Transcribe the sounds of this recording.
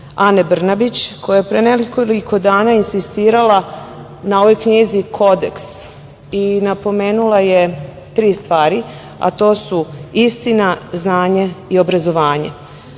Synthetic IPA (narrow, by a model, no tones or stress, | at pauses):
anebr̩nabit͡ɕkojajepɾenelikoliko̞d̪aːnainsist̪iːɾala | nao̞ʋo̞jkɲizikʰo̞d̪ḛks | inapo̞me̞ːnulˠaje | t̪ɾiːst̪ʋaːɾi | a̰t̪o̞ːsuist̪inaznaːɲeio̞bɾazo̞ʋaːɲḛ